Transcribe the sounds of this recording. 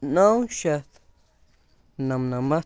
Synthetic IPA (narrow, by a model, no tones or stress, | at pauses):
nãwʃaθ | nãmnãma